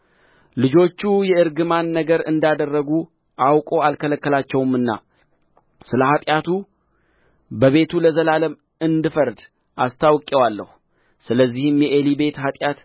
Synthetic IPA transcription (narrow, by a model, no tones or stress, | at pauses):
lɨd͡ʒo̞t͡ʃːujɛɨɾɡɨmanːəɡəɾɨ̰nd̪ad̪ərːəɡu | ʔawkʼo̞alkʰələkːəlat͡ʃːɛwɨmɨnːa̰ | sɨləhat̪ʼjat̪ʰu | bəβe̞t̪ʰuləzəlaləm | ɨnd̪ɨfəɾd̪ | ʔast̪ʰawkʼːɛwalːəhu | sɨləzːihɨmjɛʔelibe̞t̪hat̪ʼjat̪